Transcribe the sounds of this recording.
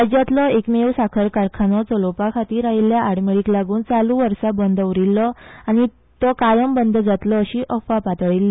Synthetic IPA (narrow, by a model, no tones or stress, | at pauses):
əd͡ʑat̪lɔekmewsakʰəɾkaɾkʰanɔt͡sɔlopakʰat̪iːɾaɦiljaaɽmeɭiːklaɡuːnt͡saluʋəɾsabənd̪ʱəʋɾilːɔañi | t̪ɔkajəmbənd̪ʱd͡zat̪lɔːɕiʔəfapat̪ɭilːi